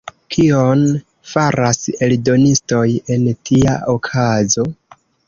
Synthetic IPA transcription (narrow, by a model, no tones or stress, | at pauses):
kʰion | faɾase̞ldo̞nisto̞je̞ntʰia̰ʔokʰazo̞